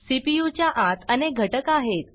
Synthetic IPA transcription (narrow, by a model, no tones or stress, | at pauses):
sipijut͡ɕjaʔat̪əneɡʱəʈəkaɦet̪